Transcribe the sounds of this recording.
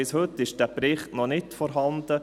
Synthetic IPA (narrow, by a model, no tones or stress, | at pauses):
ɪshɵt̪ːɪʃd̥æːbɾɪχtnɔnɪtfɔɾɦɑnd̪̥ə